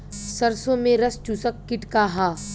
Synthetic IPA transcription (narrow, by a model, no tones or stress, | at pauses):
sɐɾsõmẽɾɐst͡ʃusəkːɪʈkaɦaː